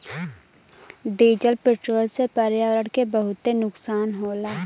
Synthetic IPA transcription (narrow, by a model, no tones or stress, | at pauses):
ɖiːd͡ʒəlpeʈɾoːlsepəɾjaːʋɾəɽkebəɦʊt̪enʊksaːnɦoːlaː